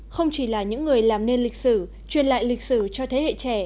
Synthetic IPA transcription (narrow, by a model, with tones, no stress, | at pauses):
xə˧wŋ͡mt͡ɕi˧˩laː˨˩ɲɨ̰˧˥ŋːɨ˨˩əjlaː˨˩mne˧nli˨˩k̟̚sɨ˧˩ | t͡ɕwi˧˩ənla̰ː˧˨jlï˨˩k̚sɨ˧˩t͡ɕɔ˧t̪ʰe˨˦hḛ˧˨t͡ɕɛ˧˩